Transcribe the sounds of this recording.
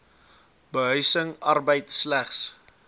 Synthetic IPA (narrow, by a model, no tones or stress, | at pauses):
bəɦœɥsəŋɐrbəjtslæχs